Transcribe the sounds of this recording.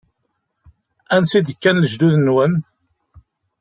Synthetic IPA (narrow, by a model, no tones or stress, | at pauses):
ænsid̪əkːænləʒd̪uðənːwən